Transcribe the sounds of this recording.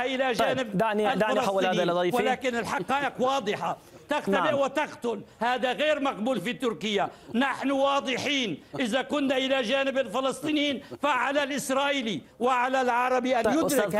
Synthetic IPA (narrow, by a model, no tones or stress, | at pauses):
ʔɪlaʒaːnɪbalɑlɑiwɪlaːkɪnɪlħɑqɑːʔɪqwɑːd̪ˤɨħa | t̪aɣalɪʕwɪt̪aqt̪ʊlhaːd̪aɣeːɾmaqbuːlfit̪ːʊɾkɪjːanaħnʊwɑːd̪ˤɨħiːnʔɪzakʊnːaʔɪlaʒaːnɪbɪlfɑlɑsˤt̪ˤiːniːnfaʕalalʔɪsɾˤɑːʔiːli | wɪʕalalʕɑɾˤɑbiʔanjʊɪk